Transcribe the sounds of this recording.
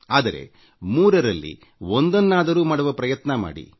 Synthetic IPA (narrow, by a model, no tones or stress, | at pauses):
aːd̪ɐɾe̞̰ | muːɾɐɾɐlːḭ | ond̪ɐnːaːd̪ɐɾuːmɐːɽɐʋɐpɾɐjɐt̪nɐma̰ːɽḭ